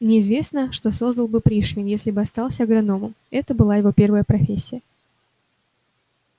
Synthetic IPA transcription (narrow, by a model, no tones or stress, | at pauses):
nʲɪɪzvʲe̞snəʂt̪o̞so̞zd̪əlˠbɨpɾʲiʂvʲɪnjesʲlʲɪbɨɐst̪ɑlˠsʲəɐɡɾɐno̞məm | ɛt̪əbɨlˠajɪvo̞pʲe̞rvəjəpɾɐfʲesʲːɪjə